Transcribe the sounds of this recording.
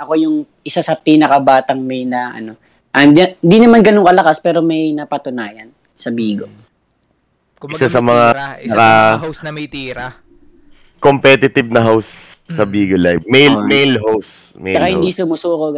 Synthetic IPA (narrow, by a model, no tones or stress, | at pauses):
ʔɐko̞jʊŋ | ʔɪsasɐpiːnɐkɐbaːt̪ɐŋmɛjnɐʔɐ̰no̞ | ʔɐɪnd̪inɐmanɡɐnoŋkɐlɐkaspɛːɾo̞mɐjnɐpɐt̪ʊnaːjɐn | sɐbiːɡo̞ | ɪsasɐmɐŋanɐka | t̪iɾɐ | kompɛt̪ɪt̪ɪb̚nɐɦawsː | ɐbiːɡolajfmɛjlmejlhows | mt͡ʃɐkahɪnd̪isʊmʊsuːko